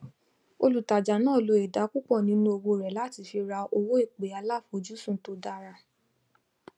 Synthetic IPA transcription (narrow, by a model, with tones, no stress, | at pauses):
o˧lu˨ta˨d͡ʒa˨nãː˦˨lo˨˧˦e˨da˨˦ku˦k͡pɔ˦˨nĩ˨˦nũ˦o˧wo˧ɾɛ˨la˦˨ti˧˦fi˧ɾa˧o˧wo˦e˦˨k͡pe˨˦a˧la˦˨fo˨˦d͡ʒu˦sũ˦˨to˧˦da˧˦˧ɾa˧